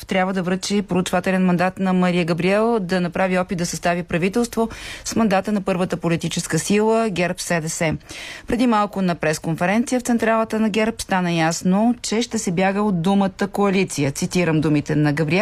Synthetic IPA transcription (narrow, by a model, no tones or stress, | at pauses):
t̪ɾʲabvəd̪ɐvɾət͡ʃipɾoːt͡ʃvat̪ɛlɛnmɐnd̪at̪nɐmɐɾijəɡɐbɾiɛlˠd̪ɐnɐpɾaviɔpit̪d̪ɐsɐst̪avipɾɐvit̪ɛlˠst̪vosmɐnd̪at̪ənɐpɤɾvət̪əpolit̪it͡ʃɛskəsilˠəɡʲɛɾpsɛd̪ɛsɛpɾɛd̪imalˠkʊnɐpɾɛskonfɛɾɛnt̪sijəft̪sɛnt̪ɾalˠət̪ənɐɡʲɛɾpst̪anəjasnot͡ʃɛʃt̪ɛsɛbjaɡəod̪̚umət̪əkoɐlit̪sijət̪sit̪iɾəmd̪umit̪ɛnɐɡɐbɾiɛ